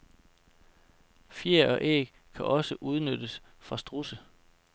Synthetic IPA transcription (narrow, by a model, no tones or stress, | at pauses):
fjeɐɒ̽ʔḛ | kʰæʔɒ̽səʔuð̞ˠnød̥əs | fʁɑ̈sd̥ʁusə